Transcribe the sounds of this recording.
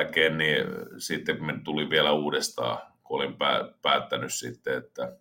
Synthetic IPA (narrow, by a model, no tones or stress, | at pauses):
keːnnisit̪ːemmit̪uliʋʋiælæuːdest̪ɑ̰ːkuolimpæ̰ːpæːt̪ːænyssit̪ːeet̪ːæ